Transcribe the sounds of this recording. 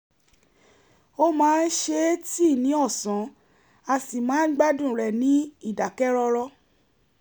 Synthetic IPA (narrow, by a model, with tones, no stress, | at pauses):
o˦mãː˨˦n̩˦ʃe˧˦ti˦˨nĩ˨˦ɔ˦˨sã˨˦ | a˧si˨mãː˨˦ɡ͡ba˦dũ˦˨ɾɛ˨nĩ˨˦i˦˨da˨kɛ˦ɾɔ˧ɾɔ˦